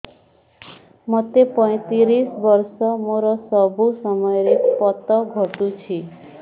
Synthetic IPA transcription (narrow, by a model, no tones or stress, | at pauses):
mʌt̪epəj̃t̪iɾisʋəɾsɔmoɾɔsəbʱusəməjɾepɔt̪əɡʱɔt̪ũt͡ʃʰi